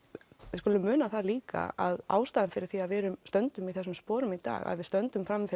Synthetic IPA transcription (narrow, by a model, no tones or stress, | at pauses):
vɪðskʏːlʏmːʏːnaθaðliːka̰a̰ða̰ːwst̪aːðɪmfɪɾɪɾ̥θiaðvɛːɾʏmst̪œnt̪ʏmiθɛsʏmspɔːɾʏmit̪a̰ːɣa̰ðvɪðst̪œnt̪ʏmfɾamːɪfɪ